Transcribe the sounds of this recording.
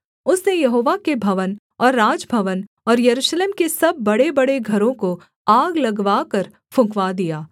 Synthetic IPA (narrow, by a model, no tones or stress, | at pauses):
ʊsnejɐɦoːʋakebʱɐʋən | ɔːɾːaːd͡ʒbʱɐʋən | ɔːɾjɐɾuːʃleːmkesɐbːɐɽebɐɽeɡʱɐɾõko | aːɡlɐɡʋaːkəɾ | fʰʊ̃kʋad̪ijaː